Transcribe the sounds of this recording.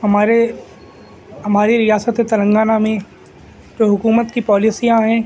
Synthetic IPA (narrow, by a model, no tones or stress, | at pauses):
ɦɐmaːɾe | ɦɐmaːɾiɾijaːsət̪ɦɛt̪ɐlə̃ŋɡaːnamẽ | d͡ʒoːɦʊkuːmət̪kipɔːlisijãɦɛ̃ː